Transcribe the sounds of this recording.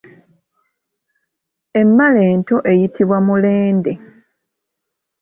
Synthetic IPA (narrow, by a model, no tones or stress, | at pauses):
e̞mːale̞ːnto̞ʔe̞jitʰiβwamule̞ːnde̞